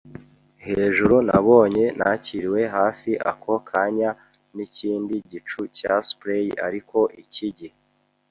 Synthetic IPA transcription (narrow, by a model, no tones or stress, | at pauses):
he̞ːʒuɾuna̰βo̞ːɲe̞nʔaciɾiwe̞ɦaːfiʔa̰kʰo̞kʰaɲa | niciːndiɟit͡ʃucaspɾejia̰ɾiko̞ʔiciɟi